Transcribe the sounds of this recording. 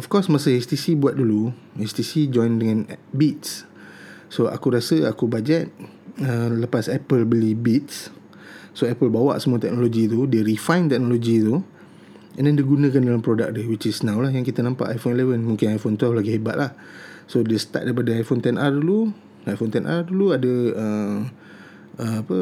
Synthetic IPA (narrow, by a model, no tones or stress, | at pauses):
ɔfkɔsmasəɛst̪isibuat̪̚dulu | ɛst̪isid͡ʒɔ̃jndəŋãnbit̪̚s | soʔa̰kuɾasəakubad͡ʒɛt̪̚ | ələpasɛpəlbəlibit̪s | soɛpəlbawa̰ʔsəmuat̪ɛk̚noloɡit̪̬udeɾifãjnt̪ɛk̚noloɡit̪u | ɛ̃ndɛndiɡunə̃kandalampɾoda̰k̚diwit͡ʃisnãwlahjaŋkit̪ənãmpa̰ʔajfonilɛvənmũŋkɪnajfont̪wɛllaɡihebaʔ̪̚lah | sodest̪a̰t̪̚daɾipadəajfont̪ɛnʔardulu | ajfont̪ɛnʔa̰rduluadəə | əapə